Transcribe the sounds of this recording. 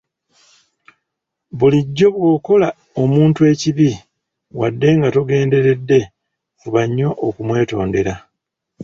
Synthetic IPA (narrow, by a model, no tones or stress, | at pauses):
βuliɟːo̞βwoːko̞la | o̞muːntue̞ːciβi | wadːe̞ŋɡatoɡe̞ːnde̞ɾe̞dːe̞ | kuβaɲːo̞ʔokumwe̞ːto̞ːnde̞ɾa